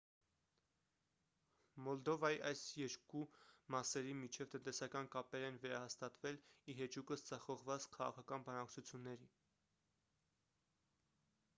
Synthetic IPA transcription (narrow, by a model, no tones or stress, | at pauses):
mɔld̪ɔvɑjiʔɑjsjɛɾkumɑsɛɾimit͡ʃʰɛvt̪ənt̪ɛsɑkɑnkɑpɛɾɛnvɛɾɑhɑst̪ɑt̪vɛliɦɛt͡ʃukəsd͡zɑχɔʁvɑt͡skʰɑʁɑ̰kʰɑkɑnbɑnɑkt͡sʰut͡sʰjunːɛɾi